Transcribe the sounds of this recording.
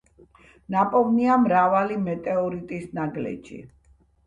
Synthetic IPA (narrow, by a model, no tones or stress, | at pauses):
napʼɔvniamɾavalimɛt̪ʼɛɔɾit̪ʼisnaɡlɛ̰d͡ʒḭ